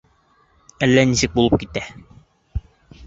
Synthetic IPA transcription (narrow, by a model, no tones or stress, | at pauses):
ælːænisɘk̚bulˠɤp̚kit̪æ